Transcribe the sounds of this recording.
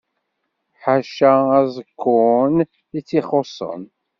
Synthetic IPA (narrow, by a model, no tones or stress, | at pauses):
ħaʃææzˤəkʰːʊn | it͡sːiχosˤːə̰n